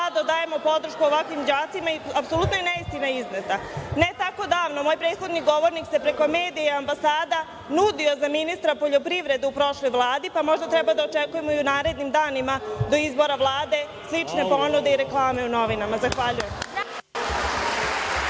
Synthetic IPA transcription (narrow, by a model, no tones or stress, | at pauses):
ad̪ad̪aːje̞mo̞po̞d̪ɾ̩ʃkuoʋakʋimd͡ʑaːt̪simaiapsolut̪nojeneist̪inaiznet̪ane̞t̪ako̞d̪aːʋnomo̞jpɾe̞ːd̪̥xo̞d̪niɡo̞ʋo̞ɾnikse̞pɾe̞ko̞me̞ːd̪ijeambasaːd̪a | nud̪io̞zaminist̪ɾapo̞ʎopɾiʋɾe̞d̪uupɾo̞ʃlˠo̞jʋlˠaːd̪ipamo̞ʒd̪at̪ɾɛbad̪aot͡ʃe̞kuje̞mo̞iunaːɾe̞d̪nimd̪aːnimad̪o̞izbo̞ɾaʋlˠaːd̪e̞ | slit͡ʃne̞po̞nud̪eiɾe̞klˠaːme̞uno̞ʋinamazaxʋaʎujem